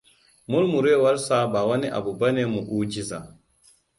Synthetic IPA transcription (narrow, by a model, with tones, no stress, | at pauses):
mʊ˦lmu˨ɾeː˦˨wɐ˦ɾsa˦baː˨wɐ˦ni˦ʔa̰˨bu˨bɐ˦neː˨mu˨ʔuː˦d͡ʒi˦za˨